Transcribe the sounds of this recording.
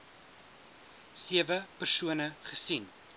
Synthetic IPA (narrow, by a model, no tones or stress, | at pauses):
siəvəpərsuənəχəsin